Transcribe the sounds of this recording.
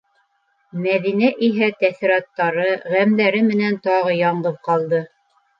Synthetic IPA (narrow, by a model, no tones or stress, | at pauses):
mæðinæʔiɦæt̪æθiɾɑt̪ːɑɾɤʁæmlæɾɘmɘ̆nænt̪ɑʁɤjɑɴɢɤð̚qɑlˠd̪ɤ